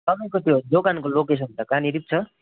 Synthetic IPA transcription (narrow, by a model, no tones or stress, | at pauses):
t̪ʌbʌjkot̪ʰijod͡ʒokankolokes̬ʌntakaniɾip̚t͡ʃʰʌ